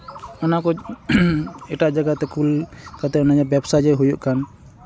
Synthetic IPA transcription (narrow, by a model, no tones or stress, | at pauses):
ɔnakɔ | ɛʈaʔd͡ʒaɡat̪ɛkulkat̪ɛɔnad͡ʒɛbɛbsad͡ʒɛɦujuʔkan